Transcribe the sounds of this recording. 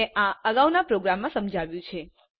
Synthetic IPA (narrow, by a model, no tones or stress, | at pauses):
eʔãəɡaʋnapɾoɡɾamːãsəmd͡ʒʱaʋjũt͡ʃʰe